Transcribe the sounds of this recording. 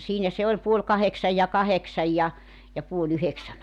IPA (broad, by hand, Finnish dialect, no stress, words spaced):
siːnæ se olʲ puolʲ kɑheksɑj jɑ kɑheksɑj jɑ jɑ puol yheksæn